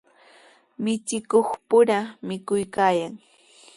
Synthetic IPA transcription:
mɪt͡ʃɪkoχpʊɾamɪkʊjkaːjaŋ

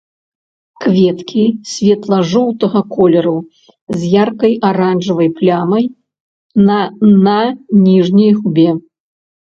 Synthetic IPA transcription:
kvʲɛt̪kʲʰisʲvʲɛt̪lˠɐʐɔwt̪ɐɣɐkʰɔlʲɛɾu | zʲjarkɐjʔaɾanʐɐvɐjplʲamɐj | nɐnʲiʐnʲɐjɣubʲɛ

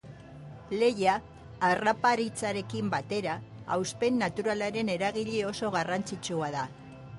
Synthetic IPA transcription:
le̞jaː | rapaɾit͡saɾe̞kimbat̪e̞ɾaːwspe̞nːat̪uɾalaɾe̞ne̞ɾaɣ̞iʎio̞so̞ɣ̞arant͡sit͡ʃuaða

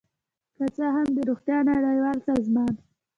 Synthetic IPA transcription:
kat͡saɦamd̪əɾoxt̪jɑnaɽajwɑlsɑzmɑn

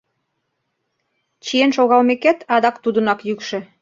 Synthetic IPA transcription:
t͡ɕienʃoɣɑlmekæt̪ɑd̪ɑkt̪ud̪ə̆nɑkjykʃĕ

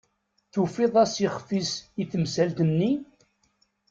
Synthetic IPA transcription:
θufiðˤæsiχfisiθəmsælt̪ənːi

